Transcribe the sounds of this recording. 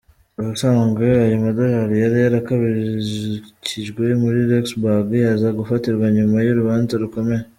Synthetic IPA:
aasaːŋɡeajamadahaɾijaɾijaɾakaβi | ciʒɡwe̞muɾiɾeksbaɡjazaɡufatiɾɡwaɲumajoɾuβaːnzaɾuko̞me̞ɾe

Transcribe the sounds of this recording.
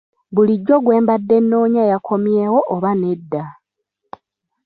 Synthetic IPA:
βuliɟːo̞ɡwe̞ːmbadːe̞nːo̞ːɲajakʰo̞mjeːwo̞ʔoβane̞dːa

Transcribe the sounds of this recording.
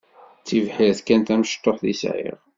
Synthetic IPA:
t͡sːivħiɾθkænt̪æmʃt̪ːoχðisʕḭʁ

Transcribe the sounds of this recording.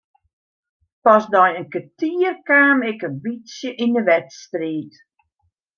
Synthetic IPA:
pɔsdɔjənkətiːərkaːmɪkənbisjəʔinəʋɛtstriːt

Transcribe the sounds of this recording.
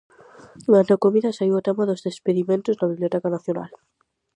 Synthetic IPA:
ŋanokomiðasaiwat̪amaðozðespeðimẽnt̪oznaβiβliot̪ɛkanaθjona̰l

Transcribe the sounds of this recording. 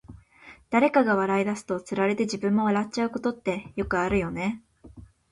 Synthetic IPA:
d̪̥aɾe̞kaɡaβ̞aɾaid̪asɨ̥t̪o̞t͡sɨɾaɾe̞t̪e̞ʑibɯ̟̃mːo̞aɾatt͡ɕaɯ̟ko̞t̪o̞t̪ːe̞jo̞kɯ̟aɾɯ̟jo̞ne̞

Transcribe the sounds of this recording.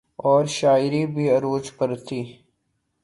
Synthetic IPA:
ɔːɾʃaːjɾibʱiɐɾoːt͡ʃpɐɾt̪iː

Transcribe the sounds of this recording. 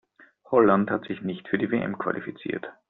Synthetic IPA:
hɔlanthatz̥ɪçnɪçtfyːɐdiːveʔɛ̰mkv̥a̰lifit͡sḭːɐt

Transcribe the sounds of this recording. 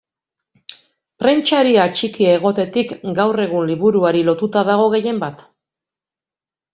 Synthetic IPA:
pɾe̞nt͡ʃaɾiat͡ʃikiaeɣ̞o̞t̪e̞t̪ikɡawre̞ɣ̞unliβuɾuaɾilo̞t̪ut̪aðaɣ̞o̞ɣ̞e̞je̞mbat̪

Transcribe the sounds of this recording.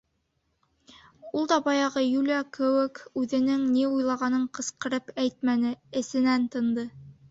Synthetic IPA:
ulˠd̪ɑbɑjɑʁɤjʉlʲɑkɘ̆wɘkʉðɘ̆nɘŋniujlˠɑʁɑnɤɴqɤ̆sqɤ̆ɾɤpæjt̪̚mænɘɘ̆sɘ̆nænt̪ɤ̆nd̪ɤ

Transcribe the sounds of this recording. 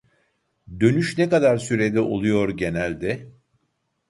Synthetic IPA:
d̪ø̞nyʃnɛkad̪aɾsyɾed̪ʲiʔo̞̰lˠujo̞ɾɟe̞nælʲd̪ɛ

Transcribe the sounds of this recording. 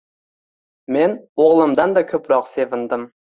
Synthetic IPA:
menoʁlˠɨmd̪ɑnd̪ɑkʲʰɵpɾɑqsevɪnd̪ɪm

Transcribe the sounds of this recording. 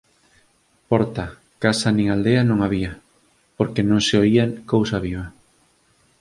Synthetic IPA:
pɔɾt̪a | kasanĩŋald̪eanõŋaβia | poɾkenõŋseoiakowsaβ̞iβɐ

